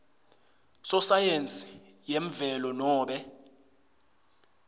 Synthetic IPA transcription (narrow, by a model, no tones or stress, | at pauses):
sɔsajent͡sʼi̥ | jeɱvɛlɔnɔːɓɛ